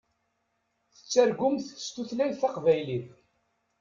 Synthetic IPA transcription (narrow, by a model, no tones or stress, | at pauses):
θə̥t͡sːæɾɡʊmθə̥st̪uθlæjθɑqvæjlið